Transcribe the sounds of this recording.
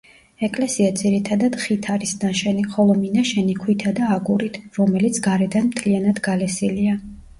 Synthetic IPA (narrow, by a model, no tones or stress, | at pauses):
ɛkʼlɛsiad̪ziɾit̪ʰad̪ad̪̥χit̪ʰaɾisd̪anʃɛniχɔlˠɔminaʃɛnikʰwit̪ʰad̪aːɡuɾit̪ʰɾɔmɛlit̪sʰɡaɾɛd̪anmt̪ʰlianad̪ɡalɛsilia